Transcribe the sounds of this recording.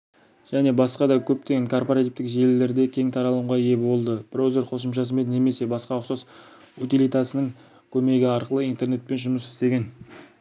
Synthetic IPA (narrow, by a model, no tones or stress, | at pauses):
ʒ̥æne̞bɑsqɑd̪ɑkʲʰɵp̚t̪eɡʲe̞ŋkʰo̞rpoɾat̪ivt̪ɪkʒe̞lle̞ɾd̪e̞kʲʰe̞ŋt̪ʰɑɾɑlˠəɴʁɑje̞bo̞lˠd̪əb̥roze̞ɾqʰo̞səmʃ̬ɑs̬əme̞d̪neme̞se̞bɑsqɑʊqsɑs | ut̪ilijt̪ɑsənəŋ | kʲʰɵme̞ɡʲɪɑɾqəlˠəijnt̪e̞rne̞t̪̚pe̞nʒʊməsɪ̥st̪e̞ɡʲe̞n